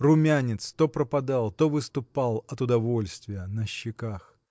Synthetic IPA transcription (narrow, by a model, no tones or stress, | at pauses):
rʊmʲanʲɪt̪st̪opɾəpɐd̪alˠt̪ovɨst̪ʊpalˠɐt̪ʊd̪ɐvo̞lʲst̪vʲɪjənəɕːɪkax